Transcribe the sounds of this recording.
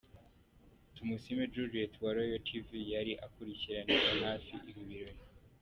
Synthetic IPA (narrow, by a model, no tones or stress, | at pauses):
tumusimed͡ʒuɾietwaɾojotʰivijaɾiʔakuɾiciɾanezanhaːfiʔiɾiβiɾoji